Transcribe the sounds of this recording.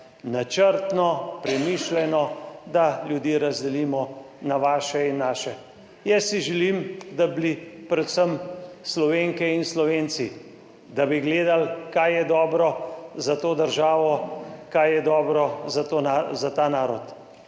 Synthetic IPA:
nat͡ʃəɾt̪nɔpɾɛmiːʃlɛnɔd̪aljud̪jiːɾazd̪ɛliːmɔ | naʋaːʃɛinːaːʃɛ | jɛsːiʒɛlimd̪ablipɾɛt̪səmslɔʋeːŋkɛinslɔʋeːnsi | d̪abiɡleːd̪alkajɛd̪ɔːbɾɔzat̪oːd̪əɾʒaːʋɔkajjɛd̪ɔːbɾɔzat̪oazat̪aːnaːɾɔt̪

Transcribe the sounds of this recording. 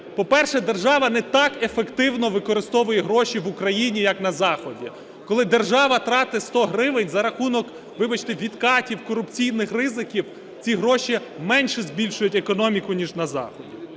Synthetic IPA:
pɔpɛrʃɛd̪erʒɑʋɐnɛt̪ɑkefekt̪ɪwnɔʋɪkɔɾɪst̪ɔʋʊjɛɦɾɔʃiʋʊkɾɐjinʲijɐknɐzɑxɔdʲi | kɔlˠɪd̪erʒɑʋɐt̪ɾɑt̪ɪst̪ɔɦɾɪʋɪnʲzɐɾɐxunɔk | ʋɪbɐt͡ʃt̪ɪʋʲid̪kɑtʲiwkɔɾʊpt͡sʲijnɪxrɪzɪkʲiw | t͡sʲiɦɾɔʃʲimɛnʲʃɛzbʲilʲʃʊjʊtʲekɔnɔmʲikʊnʲiʒnɐzɑ̰xɔdʲi

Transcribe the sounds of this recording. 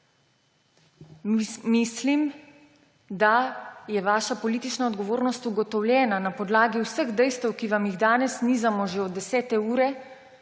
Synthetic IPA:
mislim | d̪ajɛʋaːʃapɔliːt̪it͡ʃnaɔd̪ɡɔʋoːɾnɔst̪uɡɔt̪ɔwljɛːnanapɔd̪laːɡiwsəɣd̪ɛjst̪wkiʋamjiɣd̪aːnɛsniːzamɔʒeɔd̪ɛsɛːt̪ɛuːɾɛ

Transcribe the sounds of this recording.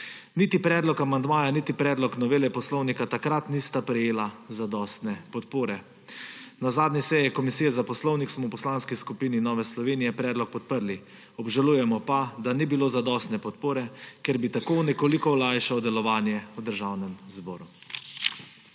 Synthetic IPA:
nit̪ipɾɛːd̪lɔkamand̪maːjanit̪ipɾɛːd̪lɔknɔʋeːlɛpɔslɔwnikat̪akɾat̪nist̪apɾɛjeːlazad̪ɔst̪nɛpɔt̪poːɾɛ | nazaːd̪nʲisɛjɛkɔmisiːjɛzapɔslɔwniksmɔwpɔslanskiskupiːninɔːʋɛslɔʋeːnijɛpɾɛːd̪lɔk̚pɔt̪̚pəɾli | ɔbʒalujɛmɔpad̪anibiloːzad̪ɔst̪nɛpɔt̪poːɾɛkeɾbit̪akoːnɛkoːlikɔlajʃaɔd̪ɛlɔʋaːnjɛud̪əɾʒawnɛmzbɔːɾu

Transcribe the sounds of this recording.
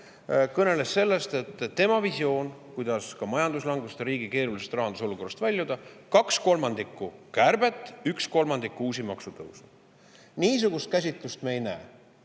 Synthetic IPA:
kɤne̞le̞sːe̞lːe̞st̪e̞t̪ːe̞mɑvisio̞ːnkujd̪̥ɑskɑmɑjɑnd̪uslɑŋɡ̥ust̪ɑɾiːɡike̞ːɾulisest̪rɑɦɑnd̪uso̞luko̞rɑst̪vælʲjud̪̥ɑkɑksko̞lmɑnd̪ikːukærb̥e̞t̪ːˑyksko̞lmɑnd̪ikːuuːs̬imɑksut̪ɤ̰wsu | niːsuɡ̥ust̪̚kæs̬ʲit̪lust̪mejnæː

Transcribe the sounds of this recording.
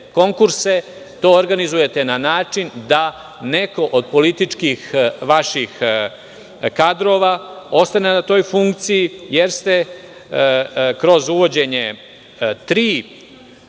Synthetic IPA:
ko̞ŋkuɾse | t̪o̞ːoɾɡanizuje̞t̪e̞nanaːt͡ʂind̪a | ne̞ko̞ʔod̪̚po̞lit̪it͡ʂkixʋaʃix | kad̪ɾo̞ːʋao̞st̪ane̞nat̪o̞ːjfuŋkt̪sijijeɾst̪e̞ | kɾo̞zuʋo̞d͡ʑe̞ɲe | t̪ɾiː

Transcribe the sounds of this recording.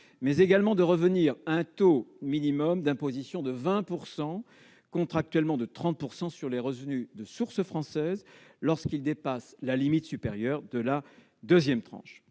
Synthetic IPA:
mɛzeɡalmɑ̃d̪əʁəvəniʁaɛ̃t̪ominimɔmd̪ɛ̃pozisjɔ̃d̪əvɛ̃puʁsɑ̃ | kɔ̃t̪χak̚t̪ɥɛlmɑ̃d̪ət̪χɑ̃t̪̚puʁsɑ̃syʁleʁəvnyd̪əsuʁsəfχɑ̃sɛzlɔʁskild̪epaslalimit̪sypeʁjœʁd̪əla | d̪øzjɛmt̪χɑ̰̃ʃ

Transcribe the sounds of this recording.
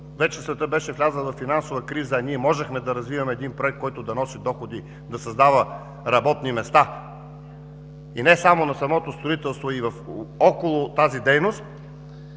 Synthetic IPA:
vɛt͡ʃɛsvɛt̪əbɛʃɛvlʲazənˠvɐfːinansovəkɾizəːniɛmɔʒɛxmɛd̪ɐɾɐzvivɐmɛːd̪inpɾoɛk̚t̪kɔjt̪ʊd̪ɐnɔsid̪ɔxod̪i | d̪ɐsɐzd̪avɐ | ɾɐbɔt̪nimɛst̪a | inɛsamonɐsɐmɔt̪ost̪ɾoit̪ɛlˠst̪voivɐfɔkolˠʊt̪azid̪ɛjnost̪

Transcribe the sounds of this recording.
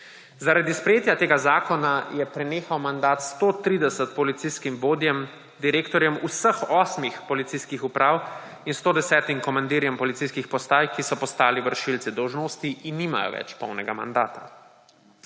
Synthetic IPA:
zaɾad̪ispɾɛjeːt̪jat̪eːɡazaːkɔnajɛpɾɛneːxawmand̪aːt̪st̪oːt̪ɾiːd̪ɛsət̪̚pɔlit̪siskimboːd̪jɛm | d̪iɾeːkt̪ɔɾjɛmusəxɔːsmixpɔlit̪siskixupɾʔaːw | inst̪oːd̪ɛsɛːt̪imkɔmand̪iːɾjɛmpɔlit̪siskixpɔst̪aːjkisɔpɔst̪aːliʋəɾʃilt̪sid̪ɔwʒnoːst̪iinːiːma̰jɔ̰ʋɛ̰t͡ʃpɔwnɛɡama̰nd̪aːt̪a

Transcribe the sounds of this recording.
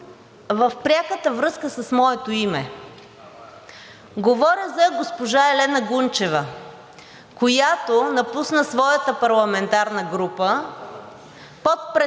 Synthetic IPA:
vəfpɾʲaxət̪əvɾɤskəsɐsmɔɛt̪oimɛ | ɡovɔɾjəzɐɡospoʒaɛlɛnɐɡunt͡ʃɛvə | kojat̪onɐpusnəsvɔjɐt̪əpɐɾlˠɐmɛnt̪aɾnəɡɾupə | pot̪̚pɾɛ

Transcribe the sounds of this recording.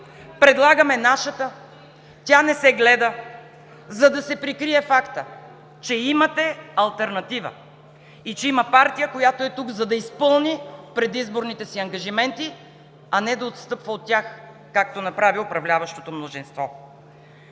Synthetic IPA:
pɾɛd̪lˠaɡɐmɛnaʃɐt̪ə | t̪ʲanɛsɛɡlɛd̪ə | zɐd̪ɐsɛpɾikɾiɛfakt̪ə | t͡ʃɛimɐt̪ɛɐlˠt̪ɛɾnɐt̪ivə̰ | it͡ʃɛimɐpaɾt̪ijəkojat̪oɛt̪uɡzɐd̪ɐispɤlˠnipɾɛd̪izboɾnit̪ɛsiɐŋɡɐʒimɛnt̪i | ɐnɛd̪ɐot̪st̪ɤpvəot̪ːʲax | kakt̪onɐpɾaviopɾɐvlʲavɐʃt̪o̥t̪omnozinst̪vɔ

